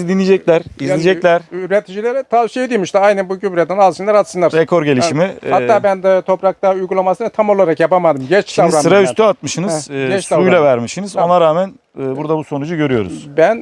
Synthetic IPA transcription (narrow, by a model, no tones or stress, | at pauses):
d̪inʲːid͡ʒɛclʲæɾizlʲid͡ʒɛclʲæɾyɾet̪ʰid͡ʒilʲeɾɛt̪ʰasied̪ijmiʃt̪ʲajnɛnbuɟybyɾɛt̪ɛnalˠsɯnlˠaɾat̪sɯnlˠaɾɾekʰo̞ɾɟe̞lʲiʃimihat̪ːaːbænd̪ɛt̪ʰo̞pɾak̚t̪aujɡulˠamasɯnat̪ʰamo̞lˠaɾakjapamad̪ɯmmɟɛt͡ʃʃaɾasɯɾayst̪ʰyat̪̚mɯʃɯnɯzɛt͡ʃsuujlʲˠavæɾmɯʃɯnɯzo̞naɾaːmænː | buɾd̪abuso̞nud͡ʒuɟø̞ɾyjo̞̰ɾṵz̥bæn